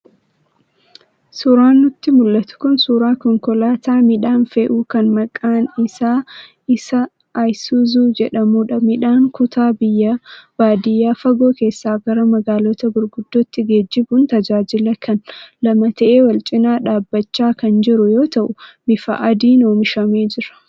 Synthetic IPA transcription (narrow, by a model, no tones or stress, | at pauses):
suɾaːnːʊt̪ːɪmʊlːɐt̪ʊ̥kʊnsuːɾaːkɔŋkɔlaːt̪aːmɪᶑaːnfeːʔuːkɐnmɐkʼːaːnɪsaː | ɪsɐː | jsuzuːd͡ʒɛᶑɐmuːᶑɐmɪᶑaːŋkʊt̪ʰaːbɪjːɐb̥aːd̪ɪjːaːfɐɡo̞ːke̞ːsːaːɡɐɾɐmɐɡaːlɔt̪ɐɡʊɾɡʊd̪ːoːt̪ːɪɡe̞ːd͡ʒːɪbʊnt̪ɐd͡ʒaːd͡ʒɪlɐkʰɐnlɐmɐt̪ɐʔeːwɐlt͡ʃʼɪnaːᶑaːbːɐt͡ʃːaːkɐnd͡ʒɪɾʊjo̞ːt̪ɐʔʊmɪfɐ̰ʔɐd̪iːno̞ːmɪʃɐme̞ːd͡ʒɪɾɐ̥